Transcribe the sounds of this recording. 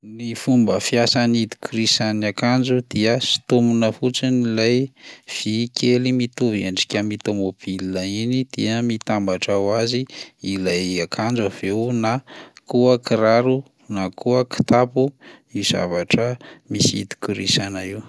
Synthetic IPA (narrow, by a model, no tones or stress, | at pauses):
nifumbəfiasanid̪i̥kuɾisanakand͡ʒud̪̥iəsi̥t̪umunəfut͡sinilajv̥ikʰelimit̪uveɳɖ͡ʐi̥kʲamit̪omob̥ilinainid̪̥iəmit̪ambaʈ͡ʂawaziilajakʰand͡ʒav̥ewnakuəkiɾaɾu | nakʰuəki̥t̪apumiz̥a̰vaʈ͡ʂəmisiḭd̪i̥kuɾisanaiw